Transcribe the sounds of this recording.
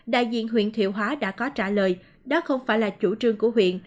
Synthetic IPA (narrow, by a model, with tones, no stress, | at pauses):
ɗa̰ː˧˨jzḭ˧˨ənɦwḭ˧˨nt̪ʰwḭ˧˨əwɦwaː˨˦ɗa̰ː˧˥kɔ˨˦t͡ɕaː˧˩ləː˨˩j | ɗɔ˨˦xə˧wŋ͡mfaː˧˩jlaː˨˩t͡ɕu˧˩t͡ɕɨ˨˧əŋku˧˩əɦwḭ˧˨ənʔ